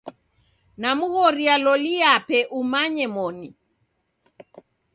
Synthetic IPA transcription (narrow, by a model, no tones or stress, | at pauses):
namuɣɔɾialɔliapɛʔumaɲɛmɔni